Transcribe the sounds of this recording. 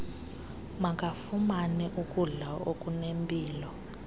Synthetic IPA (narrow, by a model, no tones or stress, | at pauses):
makʼafumanɛʔukʼuɮaokʼunempʼiːlɔ